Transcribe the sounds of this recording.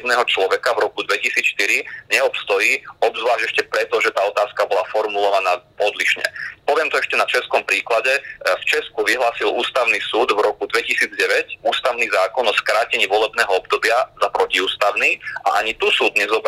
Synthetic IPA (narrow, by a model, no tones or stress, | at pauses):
d̪nɛːɦɔt͡ʃlɔʋɛkavɾɔkud̪ʋɛcisiːt͡sʃt̪iɾiɲɛɔpst̪ɔjiːɔbzʋlaːʒɟɛʃcɛpɾɛt̪ɔʒɛt̪aːɔt̪aːskabɔlafɔɾmulɔʋanaː | ɔd̪liʃɲɛ̰pɔʋɪɛmt̪ɔɛʃcɛnat͡ʃɛskɔmpɾiːklaɟɛft͡ʃɛskuʋiɦlaːsilṵːst̪aʊnisuːd̪vɾɔkud̪ʋɛcisiːd͡zɟɛʋɛcuːst̪aʊniːzaːkɔnɔskɾaːcɛɲiʋɔlɛbnɛːɦɔɔb̚d̪ɔbɪazapɾɔciuːst̪aʊniːa̰ʔaɲit̪usuːd̪ɲɛzɔb